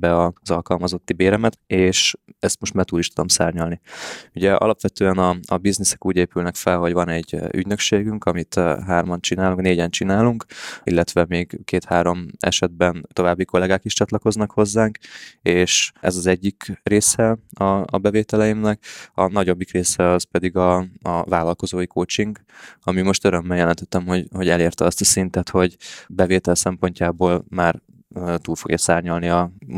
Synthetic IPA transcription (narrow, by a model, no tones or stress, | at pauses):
bɛɒzɒlkɒlmɒzo̞t̪ːibeːɾɛmɛt̪eːʃɛst̪mo̞ʃt̪mɛrt̪uːliʃt̪ud̪o̞msaːrɲɒlniuɟɛɒ̰lɒpʋɛt̪øːɛnɒːbiznisɛ̥kuːɟeːpylnɛkfɛlɦo̞ɟvɒnɛɟːy̰ɟnøkʃeːɡyŋkɒmit̪ɦaːrmɒnt͡ʃinaːluŋkneːɟɛnt͡ʃinaːluŋkḭlːɛt̪ʋɛmeːɡkeːt̪haːɾo̞mɛ̰ʃɛd̪̚bɛnt̪o̞vaːbːiko̞lɛɡaːkiʃt͡ʃɒt̪lɒko̞znɒkho̞zːaːŋkeːʃɛ̰zɒzɛɟːikreːsɛɒɒ̰bɛveːt̪ɛlɛjimnɛkɒnɒɟo̞bːikreːsɛɒzpɛd̪iɡɒɒvaːlɒlko̞zoːjikʰoːt͡ʃiŋɡɒmimo̞ʃt̪øɾø̞mːɛljɛlɛnt̪ɛt̪ːɛmho̞ɟho̞ɟɛleːrt̪ɛɒst̪ɒsint̪ɛt̪ho̞ɟbɛveːt̪ɛlsɛmpo̞ɲcaːboːlmaːr | øːt̪uːlfo̞ɡjɒsaːrɲɒlniɒ